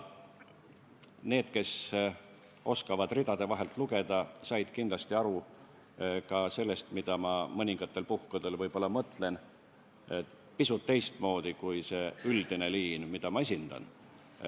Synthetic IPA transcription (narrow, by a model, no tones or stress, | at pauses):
ne̞ːd̪̥ke̞s | o̞skɑvɑd̪rid̪̥ɑd̪̥e̞vɑɦe̞lt̪ˑluɡ̥e̞d̪̥ɑsɑjd̪̥kind̪lɑst̪iɑɾu | kɑse̞lːe̞st̪mid̪̥ɑmɑmɤnʲiŋɡ̥ɑt̪ːe̞lpuhkud̪e̞lvɤjb̥o̞lːɑmɤt̪ːˑle̞n | pisut̪ːe̞jst̪mo̞ːd̪̥ikujse̞yld̪̥ine̞liːnmid̪̥ɑmɑes̬ʲind̪̥ɑ̰n